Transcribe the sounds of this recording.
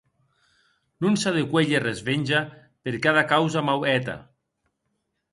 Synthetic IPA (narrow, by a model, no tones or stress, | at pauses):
nunsaðekweʎerezβenʲʒa | peɾkaðakawzamawɛt̪a̰